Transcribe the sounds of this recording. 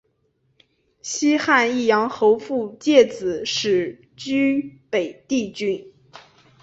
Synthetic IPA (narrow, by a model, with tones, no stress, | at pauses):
ɕi˥xa˥˧ni˥˩jɑ˧˥ŋxo˧˥ʊfu˥˧t͡ɕjɛ˥˩t͡sɹ̩˨˩˦ʂɻ̩˨˩ | t͡ɕy˥pe˨˩ɪt̪i˥˩t͡ɕy˥n